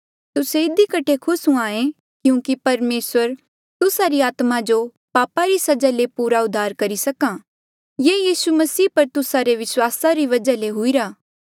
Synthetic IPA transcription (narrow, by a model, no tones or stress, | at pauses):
t̪ʊseɪd̪ikɐʈʰekʰʊsũaːẽ | kjũːkipɐɾmeːsʋəɾ | t̪ʊsaɾiaːt̪mad͡ʒo | paːpaɾisɐd͡ʒalepuːɾaʊd̪ʱːaːɾkɐɾisɐkã | jeːjiːsumɐsiːpɐɾt̪ʊsaɾeʋɪswaːsaɾiʋɐd͡ʒaleɦʊiɾaː